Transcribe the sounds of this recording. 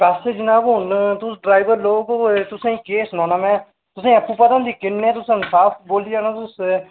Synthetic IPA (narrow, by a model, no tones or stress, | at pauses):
pɛːsed͡ʒnaːkoːnt̪ʊsɖɾaːɪbəɾloːɡt̪ʊsãĩːkeːsnãːnaːmɛ̃ː | t̪ʊsẽəpːuːpət̪ãnd̪iːkɪnːeɛ̃ːt̪ʊsãnsaːpʰboːlid͡ʒaːnãːt̪ʊs